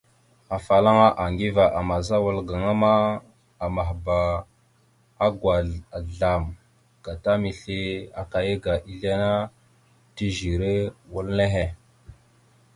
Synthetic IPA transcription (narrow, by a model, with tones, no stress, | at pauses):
a˨fa˨la˦ŋa˦ʔa˨ŋɡi˦va˨ʔa˨ma˨za˦wa˦lɡa˨ŋa˦ma˦ | a˨ma˨ɦba˨ | a˦ɡwa˨a˨ɮa˨m | ɡ̥a˨ta˦mi˨ɬi˦a˨ka˨je˦ɡa˨ʔi˦ɮa˦na˦ | ti˦ʒi˨ɾe˦wu˦lne˦ɦe˨